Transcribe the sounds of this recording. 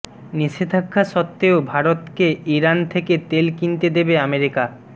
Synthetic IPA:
niʃed̪ʱakʰːaʃɔt̪ːeobʱaɾot̪keʔiɾant̪ʰeket̪elkint̪ed̪ebeameɾika

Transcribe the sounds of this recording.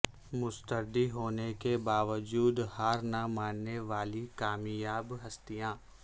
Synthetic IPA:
mʊst̪əɾd̪iɦoːnekebaːʋəd͡ʒuːd̪haːɾnamaːnːeʋaːlikaːmjaːbɦɐst̪ijãː

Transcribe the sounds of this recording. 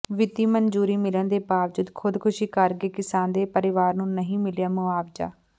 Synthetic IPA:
ʋɪt̪iːmənd͡ʒuːɾiːmɪlənd̪eːpaːʋd͡ʒʊd̪kʰʊd̪kʰʊʃiːkəɾɡeːkɪsaːnd̪eːpəɾɪʋaːɾnũːnəɦĩːmɪljaːmʊaːʋd͡ʒa̰ː

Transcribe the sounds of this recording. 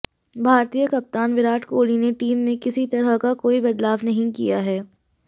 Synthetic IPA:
bʱaːɾt̪iːjəkɐp̚t̪aːnʋɪɾaːʈkoːlineʈiːmːẽkɪsit̪ɐɾəɦkakoːibɐd̪laːʋnɐɦĩkijaɦɛː

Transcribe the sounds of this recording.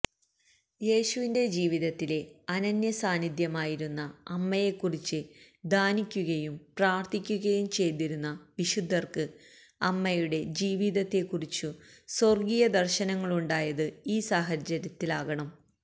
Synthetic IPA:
je̞ːɕuʋinde̞d͡ʑiːʋiðɐt̪ːile̞ɐnɐnjɐsaːnid̪jɐmaːjiɾunːɐɐmːɐje̞kːurit͡ɕːɨ | d̪ʱaːnikʲːuɣɐjumpraːrt̪ikʲːuɣɐjumt͡ɕe̞jt̪iɾunːɐʋiɕud̪ʱːɐrkɨ | ɐmːɐjuɽe̞d͡ʑiːʋiðɐt̪ːe̞kːurit͡ɕːuso̞rɡijɐd̪ɐrɕɐnɐŋːɐɭuɳɖaːjɐðɨiːsaːɦɐt͡ɕːɐɾjɐt̪ːilaːɣɐɳɐm

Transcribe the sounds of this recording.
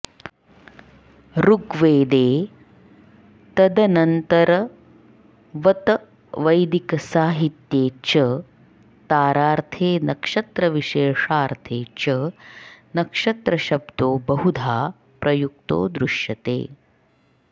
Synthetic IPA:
ɾuɡʋeːd̪eː | t̪ɐd̪ɐnɐnt̪ɐɾɐ | ʋɐt̪ɐ | ʋɐjd̪ikɐsaːɦit̪jeːt͡ʃɐ | t̪aːɾaːɾt̪ʰeːnɐkʂɐt̪ɾɐʋiʃeːʂaːɾt̪ʰeːt͡ʃɐ | nɐkʂɐt̪ɾɐʃɐbd̪oːbɐɦud̪ʱaː | pɾɐjuk̚t̪o̰ːd̪ɾuʃjɐt̪ḛː

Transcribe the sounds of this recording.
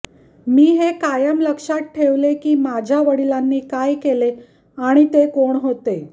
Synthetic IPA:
miːɦekajəmləkʂat̪̚ʈʰeʋlekiːmad͡ʑʱjaʋəɽilanːiːkajkele | aɽ̃it̪ekoɳɦot̪e

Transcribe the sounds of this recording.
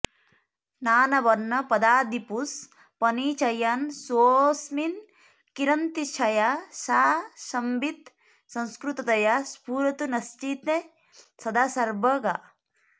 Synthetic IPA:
naːnɐbɐnːɐpɐd̪aːd̪ipus | pɐniːt͡ʃɐjɐnsoːsmin | kiɾɐnt̪it͡ʃʰɐjasaːʃɐmbit̪ | sɐ̃nskɾut̪ɐt̪ɐjaspuːɾɐt̪unɐst͡ʃit̪e | sɐd̪aːsɐɾbɐɡa

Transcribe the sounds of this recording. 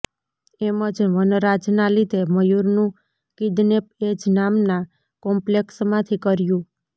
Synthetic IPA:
eməd͡ʒʋənɾad͡ʒnalid̪ʱeməjuɾnũ | kid̪nep̚ed͡ʒnamna | kɔmpleksmãt̪ʰikəɾjũ

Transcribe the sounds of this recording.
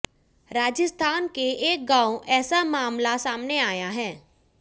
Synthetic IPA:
ɾaːd͡ʒəst̪ʰaːnkeeːk̚ɡãːoʔɛːsamaːmlasaːmneaːjaɦɛː

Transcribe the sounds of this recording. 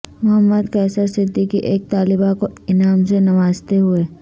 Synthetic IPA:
mʊɦəmːəd̪kɛːsasɪd̪ʱːikiʔeːk̚t̪aːlɪbakoɪnaːmsenɐʋaːzt̪eɦʊeː

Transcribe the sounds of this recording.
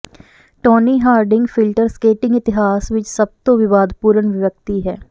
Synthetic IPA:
ʈoːniːɦaːɾɖɪ̃ŋɡfɪlʈəɾskeːʈɪ̃ŋɡɪt̪ɪɦaːsʋɪt͡ʃsɐb̚t̪oʋɪʋaːd̪ʱpuːɾənʋɪʋək̚t̪iɦɛː

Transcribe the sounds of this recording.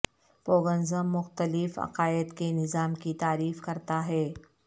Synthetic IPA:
poːɡənzəmːʊxt̪əlɪfɐ̰qaːɪd̪kenɪzaːmkit̪aːɾiːfkɐɾt̪aɦɛː

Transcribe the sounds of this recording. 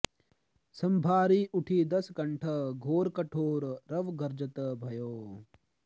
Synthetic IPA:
sɐmbʱaːɾiːʔuʈʰiːd̪ɐsɡɐɳʈʰɐɡʱoːɾkɐʈʰoːɾɾɐʋɡɐɾd͡ʒɐt̪ɐbʱɐjoː

